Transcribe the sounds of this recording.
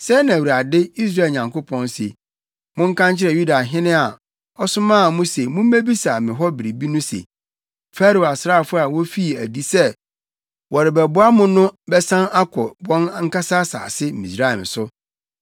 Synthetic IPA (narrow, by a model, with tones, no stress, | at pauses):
sɛ˦nã˨wu˨ɾa˨dɪ˦i˦s̬ɾa˦˨ɲã˨ŋko˦pʰɔ̃˦nsḛ˨ | mʊ̃˦ŋ̩˦kʰã˦nt͡ɕʰɪ˦ɾɛ˨ju˦da˨ɦɪ̃˦nɪ̃˦a˨ | ɔ˦sʊ˦mã˦˨mʊ̃˦se˨mʊ̃˦m̩˦me˦bi˦sa˨mɪ̃˨ɦɔ˦bɪ˨ɾi˨bi˦nʊ̃˦sḛ˨ | fa˦ɾo˨a˨sɾaː˦˨fʊ˦a˨wɔ˦fi˦˨æ˨di˦sɛ˦ | wɔ˨ɾɪ˨bɛ˨bʊ˦a˦mʊ̃˦nʊ̃˦bɛ˦sã˦na˦kʰɔ˨bɔ̃˦n˦ŋ̩˦ka˦sa˦sa̰ː˨sɪ˦m̩˨mĩ˨sɾa˦˨ɛ˨m˨sʊ˦